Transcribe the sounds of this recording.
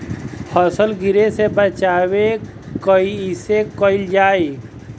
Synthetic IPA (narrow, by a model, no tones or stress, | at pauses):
hɔsəlɡɪɾesebət͡ʃaːwe | kəiɪsekəɪld͡ʒaːe